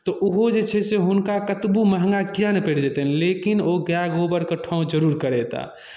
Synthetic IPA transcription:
t̪ɔʔuɦod͡ʒet͡ʃʰɛseɦʊnkakət̪buməɦŋɡaɡjanpeɽd͡ʒet̪enlekinoɡjaɡobəɾkəʈʰɔ̃ũd͡ʒəɾuːɾkəɾɛt̪a̰

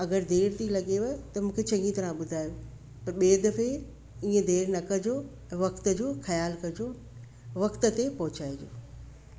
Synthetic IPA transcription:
ɐɡəɾd̪eːɾt̪ilɐɠeʋɐt̪ɐmũːkʰet͡ɕɐ̃ŋɡit̪ɐɾãɓʊd̪ʱaːjo | pɐɾɓeːd̪ɐfe | ĩːə̃d̪eːɾnɐkɐd͡ʑo | ɛ̃ːʋɐkt̪̆d͡ʑoːxɐjaːlkɐd͡ʑoː | ʋɐkt̪ə̆t̪epɐɦʊt͡ɕaːed͡ʑo̰ː

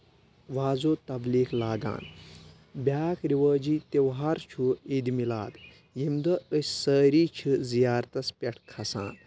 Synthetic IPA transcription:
ʋaːzoːt̪ɐbliːklaːɡa̰ːn | bʲjaːkʰɾiʋɐːd͡ʒiːt̪ewɦɐɾt͡ʃʰuid̪imilaːd̪ | jimd̪ɐəsʲsəːɾiːt͡ʃʰizijaːɾt̪ɐspʲeʈʰkʰɐsa̰ːn

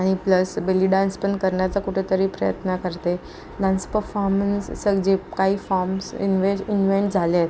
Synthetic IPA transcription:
aɽ̃ipləsbeliɖãnspəɳkəɾɳjat͡sakuʈʰet̪əɾiːpɾəjə̰t̪nakəɾt̪e | ɖanspəɾfɔɾmənsːəɡd͡ʑekaɦiːfɔɾmsḭnʋeinʋeɳʈd͡zʱalet̪

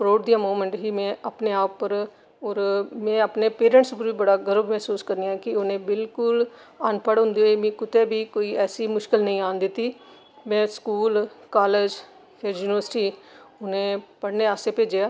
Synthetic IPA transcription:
pɾoːʈ̚d̪ijãːmuːmə̃ɳʈɦiːmɛ̃ːʔapneːaːpːəɾ | ɔːɾmɛ̃ːəpneːpeːɾə̃ɳʈspəɾiːbəɽaːɡəɾəbmɛːsuːskəɾnɪjãkɪʊnẽːbɪlkʊl | aːnpəɽɦʊ̃nd̪iːɦomɛ̃ːkʊt̪eːbiːkoːiːɛːsiːmʊʃkɪlnəĩːaːnd̪ɪt̪ːiː | mɛ̃ːskuːlkaːled͡ʒ | pʰɪɾjuːnɪʋəɾsɪʈiːʊnẽːpəɽneːaːseːpeːd͡ʒejaː

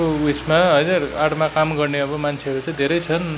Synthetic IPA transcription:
owismaɦʌjnʌɾaɽmakamɡʌrneʌbʌmant͡sʰeʌɾut͡sãj̃d̪ʱeɾʌjt͡sʰʌn

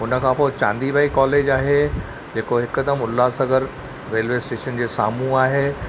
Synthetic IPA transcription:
ʊnə̆kʰãpoːt͡ɕã̰ːnd̪ibaːikɔːleːd͡ʑaːɦe | d͡ʑeːkoɦɪkːəd̪əmʊlːaːsəɡʱəɾ | ɾeːlʋeːsʈeːʃənd͡ʑeːsa̰ːmũaːɦeː

